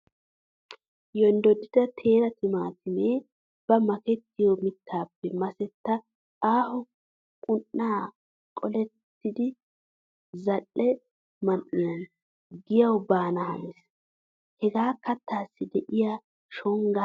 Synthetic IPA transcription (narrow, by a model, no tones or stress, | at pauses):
jɔnd̪ɔd̪ɪd̪ɐt̪ʰe̞ːɾɐt̪ɪmaːt̪ɪmeː | b̥ɐmɐkɛt̪ːɪjɔmɪt̪ʰːaːpːɛmɐsɛt̪ːɐ | aːhɔ | kʼʊʔːaː | kʼɔlɛt̪ːɪd̪ɪ | zɐlːɛ | mɐnːɪɐn | ɡɪjɐwbaːnɐhɐ̰mɪs | hɛɡaːkɐt̪ːaːsːɪd̪ɛʔɪjaː | ʃɔŋɡa